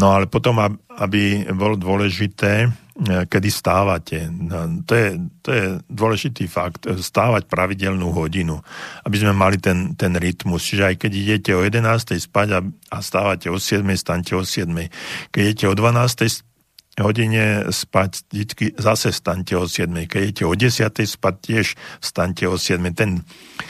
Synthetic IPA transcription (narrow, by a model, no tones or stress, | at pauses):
nɔalɛpɔt̪ɔmaabibɔlɔd̪ʊɔlɛʒit̪ɛːkɛd̪ist̪aːʋacʰɛt̪ɔjɛt̪ɔjɛd̪ʊɔlɛʒit̪iːfakt̪st̪aːʋacpɾaʋiɟɛlnuɦɔɟinuabizmɛmalit̪ɛnt̪ɛnɾit̪must͡ʃiʒɛajkɛɟiɟɛcɛɔjɛd̪ɛnaːst̪ɛjspaɟaast̪aːʋacɛɔsɪɛd̪mɛjst̪aɲcɛɔsɪɛd̪mɛjkɛɟɛcɛɔd̪ʋanaːst̪ɛjs | ɦɔɟiɲɛspacd̪it͡skizasɛst̪aɲcɛɔsɪɛd̪mɛjkɛɟiɛcɛɔɟɛsɪat̪ɛjspac̚cːɪɛʃst̪aɲcɛɔsɪɛd̪mɛjt̪ɛn